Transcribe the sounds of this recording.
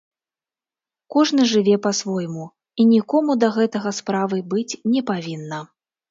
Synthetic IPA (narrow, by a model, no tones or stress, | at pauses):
kɔʐnɨʐɨvʲɛpɐsvɔjmu | inʲikɔmud̪ɐɣɛt̪ɐɣɐspɾavɨbɨt͡sʲnʲɛpavʲinːɐ